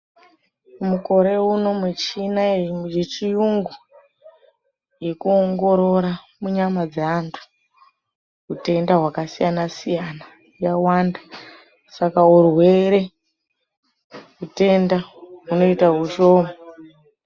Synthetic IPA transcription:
muko̞ɾe̞uno̞mwet͡ʃinajet͡ʃijuŋɡu | je̞kuoŋɡo̞ɾo̞ɾa | muɲamad͡zeantʰu̥ | ɦute̞ndaɦwakasijanasijana | jawaːnda | sakaurwe̞ɾe̞ | ɦute̞ndaɦuno̞itaɦuʃo̞ːmo

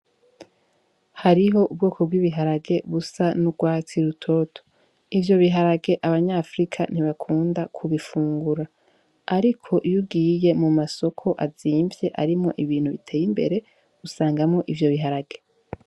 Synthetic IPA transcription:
haɾiɦo̞ʔub̚ɡoːkʰobɡwiːβiɦaɾaɡe̞βusanuɡwaːt͡siɾutʰo̞tʰo̥ | ivjo̞βiɦaɾaɡe̞ʔaβaɲaːfɾikʰan̥iβakʰuːndakʰuβifuːŋɡuɾaː | ɾikʰo̞ʔjuɡiːje̞mumaso̞kʰo̞ʔaziːmvje̞ʔaɾimŋo̞̰ʔiβiːn̥huβitʰeːjimbe̞̰ɾe̞ | usaːŋɡamŋo̞ʔivjo̞βiɦaɾaɡ̥e̞

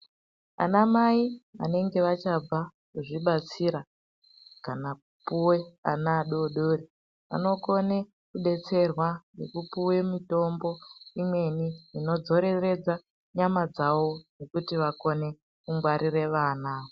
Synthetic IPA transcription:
a̰namaiʋa̰ne̞ŋɡe̞ʋat͡ʃab͡va | kuʐiɓat͡siɾa | kanakupuwe̞a̰naɗoɗoːɾi | ʋa̰no̞ko̞ne | kuɗe̞t͡se̞rwane̞̰kupuwe̞mito̞mbo̞imwe̞niino̞d͡zo̞ɾe̞re̞d͡za | ɲamad͡zaʋo̞nekutiʋako̞ne̞ | kuŋɡwaɾiɾe̞ʋaːnao

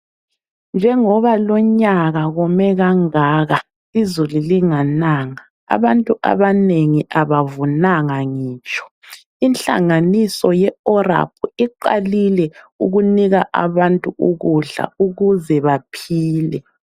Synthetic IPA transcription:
nd͡ʒʱɛŋɔβalɔɲaɣaɣɔmɛɣaŋaːɣa | izululiŋanaːŋa | a̰βantʼuʔa̰βaneŋiʔaβavunaŋaŋiːt͡ʃʼɔ̥ | int͡ɬa̰ŋanisɔjɛɔra̰pʰuiǃa̰lilɛṵɣuniɣaʔa̰βantʼuuɣuɮa̰uɣuzɛβapʰiːlɛ

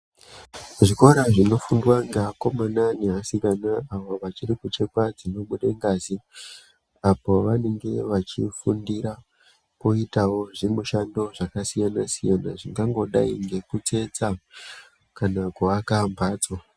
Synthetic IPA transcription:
ʐiko̞ɾaʐino̞fundwaŋɡeːko̞mananeɦasikanaaʋoʋat͡ʃirikut͡ʃe̞kwad͡zino̞ɓuɗeŋɡazi | apo̞ʋane̞ŋɡe̞ʋat͡ʃifundiɾa | po̞itawo̞ʐimuʃando̞ʐakasijanasijana̰ʐiŋɡaŋɡo̞ɗa̰iŋɡe̞kut͡se̞t͡sa | kanakuakambaːt͡so

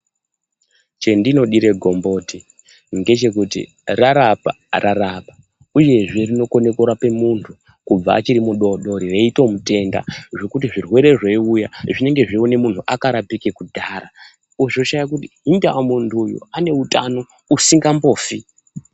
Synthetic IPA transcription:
t͡ʃe̞ndino̞ɗiɾe̞ɡʱo̞mbo̞ːti | ŋɡe̞t͡ʃe̞kutḭ | raɾapa̰ | rʔarapa | uje̞ʐe̞rino̞ko̞ne̞koɾape̞muntʰu | kub͡va̰ːt͡ʃiɾimuɗoɗo̞ɾiʋeito̞mute̞nda̰ʐo̞kut̬iʐirwe̞ɾe̞ʐeiujaʐine̞ŋɡe̞ʐione̞mun̤uʔakaɾapikekudʱaɾa | uʐoʃajak̬utiɦindawamuntʰujṵane̞utano̞ | usiŋɡambo̞ːfi

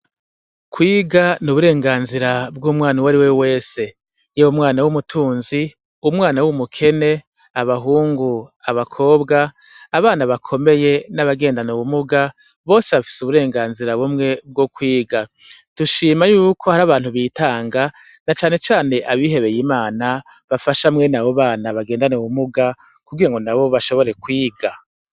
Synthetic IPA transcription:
kwiːɡanuβuɾe̞ːŋɡaːnziɾabɡuːmwaːniwaɾiwewe̞ːse̞ | jewumwaːnawumutʰuːnzi | umwaːnawumukʰe̞ne̞ | aβaɦuːŋɡuaβakʰo̞ːbɡaː | βaːnaβakʰo̞me̞je̞naβaɡe̞ːndanuβumuɡa | βo̞ːseβafi̥suβuɾe̞ːŋɡaːnziɾaβumŋe̞b̚ɡo̞kwiːɡa | tuʃiːmajuːkʰo̞haɾaβaːn̥huβitaːŋɡa | nat͡ʃaːne̞t͡ʃaːne̞ʔaβiːɦe̞βe̞jimaːna | βafaʃamŋe̞naβoβaːnaβaɡeːndaneuβumuɡa | kuɡiɾaŋɡo̞naβo̞βaʃo̞βo̞ɾe̞kwiːɡa

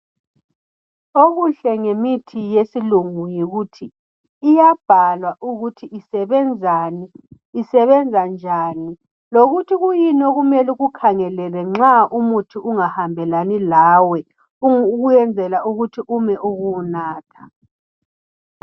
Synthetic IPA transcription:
oɣuɬɛŋemitʰijesiluŋujiɣutʰiː | jab̥ʱalwaʔuɣutʰiʔisɛβɛnd͡zʱaniː | sɛβɛnd͡zʱand͡ʒʱaːni | loɣutʰiɣujinoɣumɛliɣukʰaŋɛlɛlɛŋ͡ǁaʔumutʰiʔuŋahambʱɛlanilaːwɛ | uɣujɛnd͡zʱɛlauɣutʰiʔumɛʔuɣunaːtʰḁ

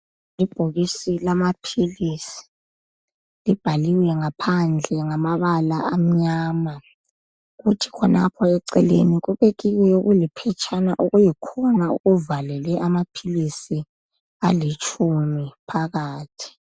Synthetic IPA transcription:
lib̥ʱoɣisilamapʰilisi̥ | lib̥ʱaliwɛŋapʰand͡ɮʱɛŋamaβalaʔam̩ɲaːma | ɣutʰi̥kʰɔnʔa̰pʰɔɛǀɛlḛniɣuβeɣiwɛjoɣulipʰɛt͡ʃʼanaʔuɣujikʰɔnaṵɣuvalɛlɛʔamapʰilisi | alit͡ʃʼumipʰaɣaːtʰi̥

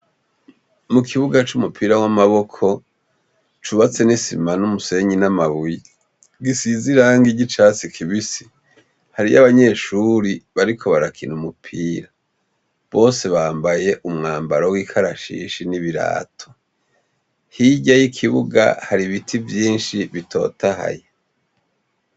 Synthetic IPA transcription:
mukʰiβuɡat͡ʃumupʰiɾawamaβo̞kʰo̞ | t͡ʃuβat͡se̞nisimanumuse̞ɲinamaβwi | ɡisiziɾaŋɡiɟit͡ʃat͡sikʰiβisi̥ | haɾijaβaɲe̞ʃuɾiβaɾikʰo̞βaɾakʰinumupʰiːɾa | βo̞ːse̞βaːmbaje̞ʔumŋaːmbaɾowiːkʰaɾaʃḭːʃiniβiɾa̰ːtʰo̞̥ | hiɟajikʰiβuɡa̰haɾiβitʰivjiːnʃiβitʰo̞̰tʰaha̰je

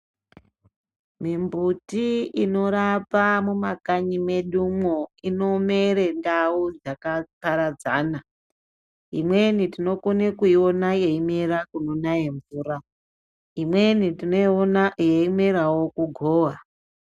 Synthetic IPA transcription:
mimbutiino̞ɾapamumakaɲime̞ɗumwoino̞meɾendaud͡zakataɾad͡zaːna | imwe̞nitino̞konekuio̞najeimeɾakuno̞najeɱvuːra | imwenitijeimeɾawo̞kuɡʱoːʋa

